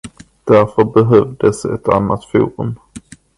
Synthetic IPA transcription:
d̪̥æɾfœɾbɛɦœvd̪əsɛ̰t̪a̰nːat̪fṵːɾɵ̰m

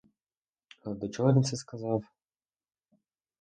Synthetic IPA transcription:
ad̪ɔt͡ʃɔɦɔvʲint̪sɛskɐzɑw

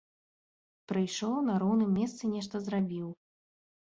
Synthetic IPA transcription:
pɾɨjʂɔwnɐɾɔwnɨmːʲɛst̪sɨnʲɛʂt̪ɐzɾabʲiw

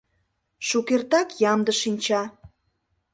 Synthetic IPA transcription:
ʃukert̪ɑkjɑmd̪əʃinʲt͡ɕɑ

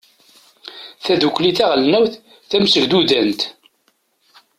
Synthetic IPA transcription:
θæðukʷːliθæʁlnæwθ | θæmsəɾd̪uðænt̪

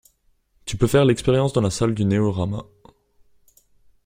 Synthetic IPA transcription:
t̪ypøfɛʁlɛkspeʁjɑ̃sd̪ɑ̃lasald̪yneɔʁama

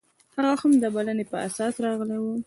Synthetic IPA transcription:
haɣawahamd̪əbalanepəʔa̰sɑsɾɑɣəlewə

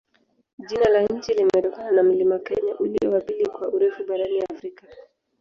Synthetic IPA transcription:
ʄinalaɲ̩t͡ʃilimɛɗɔkananam̩limakɛɲaʔuliɔwapilikwauɾɛfuɓaɾaniafɾika

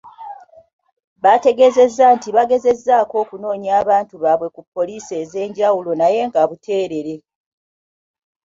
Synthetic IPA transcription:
βate̞ɡe̞ze̞zːantiβaɡe̞ze̞zːaːko̞ːkuno̞ːɲaːβaːntuβaβwe̞kupːo̞lise̞ːze̞ːɲɟawulo̞naje̞ːŋɡaβutʰe̞ːɾe̞ɾe̞

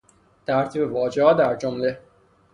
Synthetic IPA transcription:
t̪ʰæɾt̪ʰiːbe̞vɒːd͡ʒehɒːd̪æɾd͡ʒomle

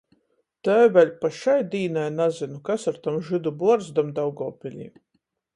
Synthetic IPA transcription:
t̪ɛvɛlʲpaʃajd̪iːnajnazinukasaɾt̪amʒɨd̪ubuaɔɾzd̪amd̪awɡɔːpʲilʲḭː

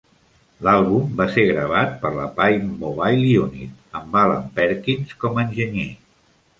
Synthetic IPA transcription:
lalˠβumbaseɣɾəβ̞at̪̚pəɾlə̰pajmoβajlˠiunḭt̪̚əmbalə̰mpɛɾkinskɔmːnʲʒəɲe

